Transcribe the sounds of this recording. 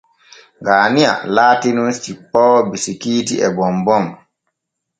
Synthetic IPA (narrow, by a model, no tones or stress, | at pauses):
ŋɡaːnia̰laːtinunst͡ʃipːɔːbisikiːtiɛbɔmbɔm